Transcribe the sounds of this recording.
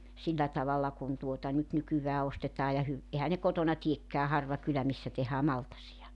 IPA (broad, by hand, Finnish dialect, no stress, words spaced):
silːæ tɑʋɑlːɑ kun tuotɑ nyt nykyʋæː ostetɑː jɑ hy ehæ ne kotonɑ tiekːæː hɑrʋɑ kylæ misːæ tehæː mɑltɑsiɑ